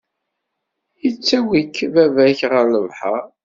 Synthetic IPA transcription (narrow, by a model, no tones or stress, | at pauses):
jət͡sːæwikvævæçʁəɾnəvħə̰ɾ